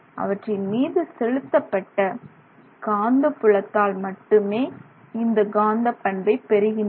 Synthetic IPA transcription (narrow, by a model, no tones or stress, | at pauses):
ʔɐ̰ʋɐʈrɪmiːðɯsɛɻɯt̪ːɐpːɐʈːɐ | ɡ̥aːnd̪ɐpːɯɭɐt̪ːaːlmɐʈːɯmeː | ɪnd̪ɐɡaːnd̪ɐpːɐɳbɐɪpɛɾɯɣɪn